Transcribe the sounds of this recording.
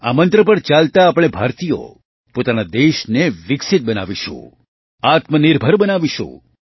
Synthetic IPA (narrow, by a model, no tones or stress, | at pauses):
a̰mənt̪ɾəpəɾt͡ʃalt̪aːpəɽ̃ebʱaɾt̪ijo̰ | pot̪anad̪eʃneʋɪksɪt̪̚bəna̰ʋiʃṵ̃ | at̪mənɪɾbʱəɾbənaʋiʃṵ̃